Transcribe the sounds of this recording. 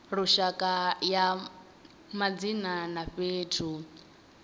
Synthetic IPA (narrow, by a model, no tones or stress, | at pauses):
ɾuʃakʼaja | mad͡zinanaɸeːtʰu